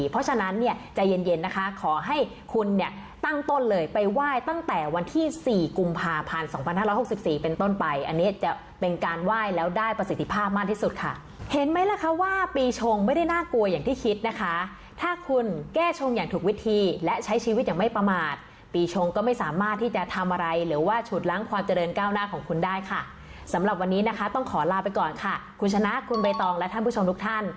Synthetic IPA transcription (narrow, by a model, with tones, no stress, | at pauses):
pʰɔ˦˥t͡ɕʰa˧na˦˥nːi˥˩ɐt͡ɕa˨˩je˧nje˧nːa˦˥kʰa˦˥kʰɔː˩˦ɦa˥˩j | kʰu˧nːi˥˩ɐ | t̪a˥˩ŋt̪o˥˩nlɤː˧jpa˧jwaː˥˩jt̪a˥˩ŋt̪ɛː˨˩wa˧nt̪ʰiː˥˩siː˨˩ku˧mpʰaː˧pʰa˧nsɔː˩˦ŋpʰa˧nhaː˥˩ɾɔ˦˥jho˨˩k̚si˨˩p̚siː˨˩pe˧nt̪o˥˩npa˧jʔa˧nːi˦˥ɐt͡ɕa˨˩ | pe˧nkaː˧nwaː˥˩jlɛː˦˥wdaː˥˩jpɾa˧si˨˩˦t̪ʰːi˧pʰaː˥˩p̚maː˥˩t̪ʰiː˥˩su˨˩t̪̚kʰa˥˩ | he˨˦nma˦˥jlɛ˦˥kʰa˦˥waː˥˩piː˧t͡ɕʰo˧ŋma˥˩jda˥˩jnaː˥˩ku˧ɐjaː˨˩ŋt̪ʰiː˥˩kʰi˦˥t̪̚na˦˥kʰa˦˥ | t̪ʰaː˥˩kʰu˧nkɛː˥˩t͡ɕʰo˧ŋjaː˨˩ŋt̪ʰu˨˩k̚wi˦˥t̪ʰiː˧lɛ˦˥t͡ɕʰa˦˥jt͡ɕʰiː˧wi˦˥aː˨˩ma˥˩jpɾa˧maː˨˩t̪̚ | piː˧t͡ɕʰo˧ŋkɔː˥˩ma˥˩jsaː˩˦maː˥˩t̪ʰːiː˥˩t͡ɕa˨˩t̪ʰa˧mʔa˧ɾa˧jɾɯː˩˦waː˥˩t͡ɕʰuː˨˩t̪̚la˦˥ŋkʰwaː˧mt͡ɕa˧ɾɤː˧nkaː˥˩wnaː˥˩kʰɔː˩˦ŋkʰu˧ndaː˥˩jkʰa˥˩ | sa˩˦mɾa˨˩p̬̚wa˧nːiː˦˥na˦˥kʰa˦˥t̪ɔ˥˩ŋkʰɔː˩˦laː˧pa˧jkɔː˨˩nkʰa˥˩kʰu˧nt͡ɕʰa˧na˦˥ʔkʰu˧nba˧jt̪ɔː˧ŋlɛ˦˥t̪ʰa˥˩npʰu˥˩˨o˧mt̪u˦˥kt̪ʰa˥˩n